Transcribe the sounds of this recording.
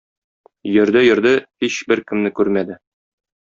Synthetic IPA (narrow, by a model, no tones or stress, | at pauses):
jɵ̆ɾd̪ɘjɵ̆ɾd̪ɘhiɕbɘɾkɘ̆mnɘkʉɾmæd̪ɘ